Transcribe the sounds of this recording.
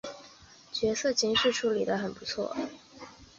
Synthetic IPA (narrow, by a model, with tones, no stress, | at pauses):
t͡ɕɥɛ˧˥sɤ˥˩t͡ɕi˧˥ŋʂɻ̩˥˩ʈ͡ʂʰu˥˩li˨˩d̪ə˦xə˨˩npu˧˥t͡sʰwɔ̰˥˩